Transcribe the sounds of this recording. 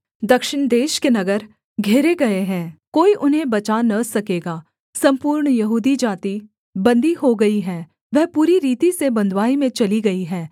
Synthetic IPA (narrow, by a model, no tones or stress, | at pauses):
d̪ɐkʃɪɳ̃d̪eːʃkenɐɡəɾ | ɡʱeːɾeɡɐeɦɛ̃koːiʔʊnɦẽbɐt͡ʃanɐsɐkeːɡaː | sɐ̃mpuːɾɳjɐɦuːd̪id͡ʒaːt̪i | bɐ̃nd̪ʱiɦoɡɐiɦɛː | ʋɛɦpuːɾiɾiːt̪isebɐ̃nd̪ʋaːimẽt͡ʃɐliɡɐiɦɛː